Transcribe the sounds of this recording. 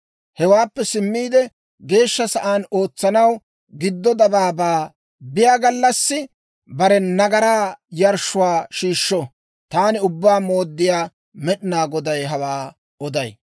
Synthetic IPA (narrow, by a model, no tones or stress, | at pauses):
hɛwaːpːɛsɪmːiːd̪ɛ | ɡe̞ːʃːɐsɐʔaːno̞ːt͡sːɐnɐw | ɡɪd̪ːɔd̪ɐbaːbaː | bɪjaːɡɐlːɐsːɪ | bɐɾɛnɐɡɐɾaːjɐɾʃʊwaːʃiːʃːɔ | t̪aːnɪʊbːaːmo̞ːd̪ːɪjaː | mɛɗɪnaːɡɔd̪ɐjɦɐwaː | ɔd̪ɐj